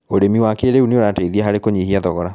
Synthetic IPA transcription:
oɾemiwakeɾeuneoɾateðiɛɦaɾekoɲehiaðɔɣɔɾa

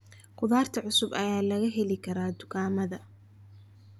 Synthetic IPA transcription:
kʰʊðaːrt̪ʰɐʕʊsʊbɐjaːlɐɣɐɦɛlɪkʰɐɾaːd̪ʊkʰaːmɐðɐ

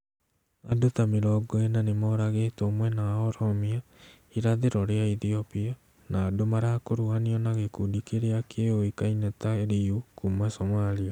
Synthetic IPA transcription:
adotameɾɔɡɔenanemɔɾaɣetoːmwɛnaɔɾɔmia | iɾaðeɾɔɾeaiθiopia | naːdomaɾakoɾuaniɔnaɣekudikeɾeakʰeoikainɛtaɾiukumwasomalia

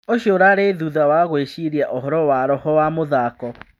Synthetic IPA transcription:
oɕjoɾaɾeðuðawaɣweɕiɾiaʔoɦɔɾɔwaɾɔhɔwamoðakɔ

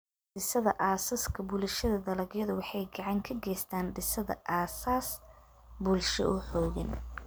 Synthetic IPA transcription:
ɖɪsɐðɐ̰ʔaːsɐskʰɐbuːlʃɐðɐd̪ɐlɐɣjɐðʊwɑħɑjɡɑʕɑŋkʰɐɡɛːst̪ʰaːnɖɪsɐðɐ̰ʔaːsaːs | buːlʃɔ̰ʔʊħɔːɣɐ̰n

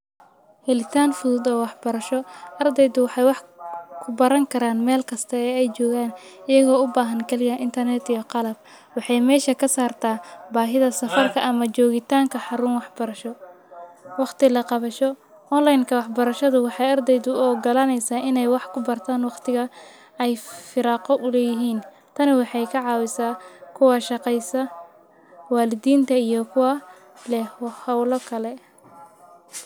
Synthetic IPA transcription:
hɛlɪt̪ʰaːnfʊðuːd̪ɔːwɑħbɐɾɐʃɔʔɐrd̪ɛjd̪ʊwɑħɑjwɑħkʰʊbɐɾɐŋkʰɐɾaːnmɛːlkʰɐst̪ʰɐɛːɛjt͡ʃɔːɣaːnɪjɐɣɔːʊbaːɦɐnkʰɐlɪɣɐʔɪnt̪ʰɐrnɛd̪ijɔqɑlɐb̚ | wɑħɑjmɛːʃɐkʰɐsaːrt̪ʰaːbaːɦɪðɐsɐfɐrkʰɐʔɐmɐt͡ʃɔːɣɪt̪ʰaːŋkʰɐħɑɾʊnwɑħbɐɾɐʃɔ | wɑqt̪ɪlɐqɑβɐʃɔ | ʔɔnlajnkʰɐwɑħbɐɾɐʃɐðʊwɑħɑjɐrd̪ɛjðʊɔːɡɐlɐnɛjsaːɪnɛjwɑħkʰʊbɐrt̪ʰaːnwɑqt̪ʰɪɣɐ | ɛjfɪɾɑːqɔʔʊlɛːjɪɦiːn | t̪ʰɐnɪwɑħɑjkʰɑʕɑːwɪsaːkʰʊwɑʃɑqɛjsɐ | waːlɪd̪iːnt̪ʰɐijɔkʰʊwa | lɛwɑhɐwlɔkʰɐlɛ

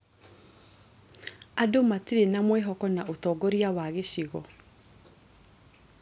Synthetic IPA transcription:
adomatiɾenamweɦɔkɔnaotɔːɡɔɾiawaɣeɕiɣɔ

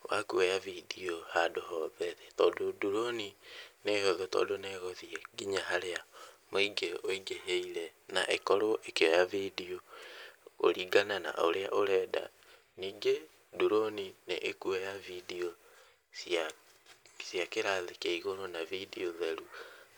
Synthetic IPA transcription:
wa̰kuɛjavidiohadohɔðɛɾɛtɔːdoduɾonineɣoðotɔ̰ːdonɛɣoðieɡiɲaɦaɾeamoiɡeoiɡeɦeiɾɛ | na̰ʔekɔɾoʔekejɔjavidio | o̰ɾiːɡanana̰ʔo̰ɾea̰ʔoɾɛːda̰ | niːɡe | duɾoninḛʔekuɛjavidio | sja | sjakeɾaðekeiɣoɾonavidioðɛɾu

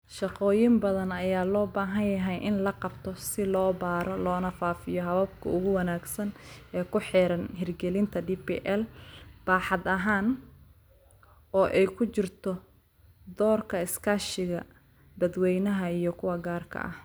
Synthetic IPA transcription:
ʃɑqɔːjɪmbɐðɐnɐjaːlɔːbaːɦɐnjɐɦɛjʔɪnlɐqɑbt̪ʰɔsɪlɔːbaːɾɔlɔːnɐfaːfɪjɔɦɐβɐb̚kʰɐ̰ʊɣʊwɑnaːɡsɐnɛːkʰʊħɛːɾɐnhɪrɡɛlɪnt̪ʰɐɖipḭʔɛlb̥aːħɑd̪ɐɦaːn | ɔːʔɛjkʰʊt͡ʃɪrt̪ʰɔ | d̪ɔːrkʰɐɪskʰaːʃɪɣɐ | bɐd̪wɛjnɐɦɐijɞkʰʊwɐɡaːrkʰɐ̰ʔɐ̰h

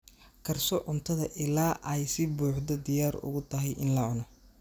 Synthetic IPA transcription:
kʰɐrsɔʕʊnt̪ʰɐðɐʔɪlaːʔɐjsɪbuːħd̪ɐd̪ɪjaːɾʊ̰ɣʊt̪ʰɐɦɛjʔɪnlɐʕʊnɐ

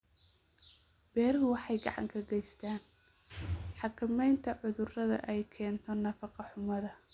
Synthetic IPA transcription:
b̥ɛːɾɦʊwɑħɑjɡɑ̰ʕɑ̰ŋkʰɐɡɛjst̪ʰaːn | ħɑkʰɐmɛjnt̪ʰɐʕʊðʊrɐðɐ̰ʔɛjkʰɛːnt̪ʰɔnɐfɑqɑħʊmɐðɐ

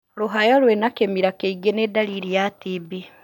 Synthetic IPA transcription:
luɦajalwenakemiɾakeiɡenedaliɾijatibi

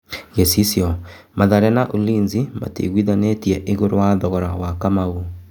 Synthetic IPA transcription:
ɣesisiɔ | maðaɾɛnaʔuliːnzima̰tḛɣwiðanetiɛʔeɣoɾowaðɔɣɔɾawakamaɣu

